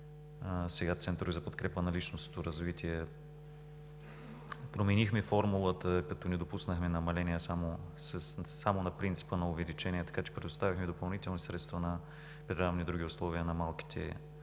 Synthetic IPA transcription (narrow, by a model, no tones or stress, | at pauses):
sɛɡat̪sɛnt̪ɾʊvizɐpot̪kɾɛpənɐlit͡ʃnost̪oɾɐzvit̪iɛ | pɾomɛnixmɛfɔɾmulˠət̪əkɐt̪ɔnɛd̪opusnəxmɛnɐmɐlɛnijəsamosəsːamonɐpɾint̪si̥pənɐʊvɛlit͡ʃɛnʲiɛt̪ɐ̥kat͡ʃɛ̥pɾɛd̪ʊst̪avʲixmɛd̪opɐlˠnit̪ɛlˠnisɾɛt̪st̪vənɐ | pɾɛɾavnid̪ɾuɡʲiʊslˠɔviənɐmalˠki̥t̪ʰɛ̰